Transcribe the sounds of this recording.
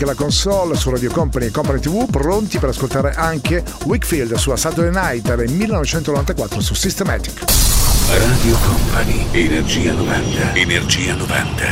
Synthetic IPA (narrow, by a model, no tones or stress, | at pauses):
kelakonsɔlsurad̪jokɔmpaniekːɔmpanit̪ivupɾont̪ipeɾaskolt̪aːɾeʔaŋkewikfild̪suasat̪lnajt̪ed̪ilmilːenɔvet͡ʃɛnt̪onovant̪akwat̪ːɾosusist̪emat̪i̥k | raːd̪iokɔmpʰanienerd͡ʒiːanova̰nt̪aenerd͡ʒiːanova̰nt̪ʰa